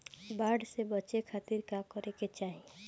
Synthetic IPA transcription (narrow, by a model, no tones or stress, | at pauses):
baːɖsebət͡ʃekʰaːt̪iɾkakəɾeket͡ʃaːɦie